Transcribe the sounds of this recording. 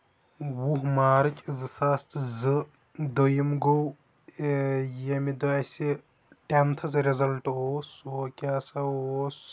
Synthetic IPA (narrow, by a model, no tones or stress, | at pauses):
wuɦmaːɾɨt͡ʃʰʲʼzɨsɐst̪ʰzɨ | d̪ojɐmɡow | jɐmid̪ɐɐse | ʈent̪ʰɐzɾezɐlʈoːsokʲaːsɐoːs